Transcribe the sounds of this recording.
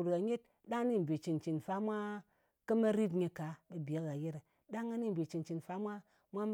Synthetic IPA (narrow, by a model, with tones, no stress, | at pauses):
ɾka˨ɲe˦t̚ | da˦ŋ˦ni˦m̩˨bʲe˨t͡ʃi˨nt͡ʃi˨nfa˦mʷa˦ | kɐ˦mɐ˦ɾi˦t̬ɲe˨ka˨be˨bi˨a˨˦ka˨je˦ɾ | da˦ŋa˦ni˦m̩˨bʲe˨t͡ʃi˨nt͡ʃi˨nfa˦mʷa˦ | mʷa˦